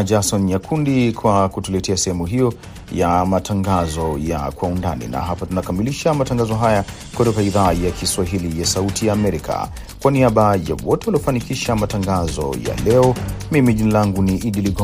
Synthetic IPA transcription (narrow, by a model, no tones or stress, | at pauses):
d͡ʒasɔnjakʰundikwakutulɛtɛasɛhɛmuɦijɔ | jamatʰaŋɡazɔja̰kwaundanḭna̰ɦapatunakamiliʃamataŋɡazɔɦaja | kutɔkaiðaːjakiswaɦilijasautijaːmɛɾikʰa̰ | kwaniaɓaja̰wɔtɛwaliɔfanikiʃamataŋɡazɔ̰ja̰lɛɔmimiʄinalaŋɡuniʔiɗiliɡɔ